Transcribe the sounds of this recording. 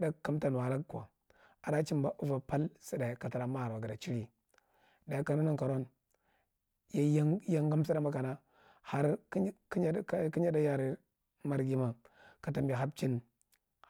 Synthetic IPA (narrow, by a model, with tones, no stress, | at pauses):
da˦kːa˦mta˨n˨wa˨la˦kʷa̰˨ | a˨da˦t͡ʃi˦mba˨ʔu˦va˨pa˦lsi˦da˨ka˨ta˨ɾa˨ma˦ha˨ɾa˨ɡi˨da˨t͡ʃi˦ɾi˨ | da˨˦ka˨nu˦na˦ka˨ɾo˦n | ja˦ja˦ŋ˦ɡa˦m˦si˦ɾa˦ma˦ka˨na˦ | ha˦ɾ | ki˦ɲa˦da˦ja˦ɾi˨ | ma˦ɾɡi˦ma˨ | ka˨ta˨mbi˨ɦa˦b̚t͡ʃi˦n